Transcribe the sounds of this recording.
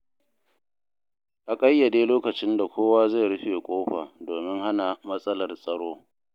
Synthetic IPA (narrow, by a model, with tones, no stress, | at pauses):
ʔa˨kʼɐ˦jːɐ˨deː˦loː˦kɐ˨t͡ʃɪ˦nda˨kʷʰoː˦waː˦za˦˨ɽʊ˦ɸeː˨kʷʼoː˦ɸaː˨doː˨mɪ˦ŋha˦na˨mɐ˦sʼɐ˦lɐ˨rsʼɐ˨ɽoː˦